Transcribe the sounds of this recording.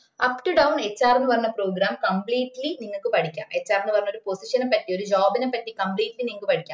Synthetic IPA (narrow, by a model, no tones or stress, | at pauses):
ɐpʈuɖɐwɳet͡ɕːaːɾnːɨʋɐrɐnːɐpɾoːɡɾaːmkɐmpliːʈːliniŋːɐɭkːɨpɐɽikʲːa̰ːmet͡ɕːaːɾnːɨʋɐɾɐnːoɾuposiʂɐnɐpːɐʈːio̞ɾud͡ʑaːbinepːɐʈːikɐmpliːʈːliniŋɐɭkɨpɐɽʰikʲːaː